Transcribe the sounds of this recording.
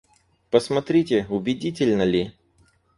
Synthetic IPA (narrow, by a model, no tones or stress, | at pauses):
pəsmɐt̪ɾʲitʲɪʊbʲɪdʲitʲɪlʲnəlʲɪ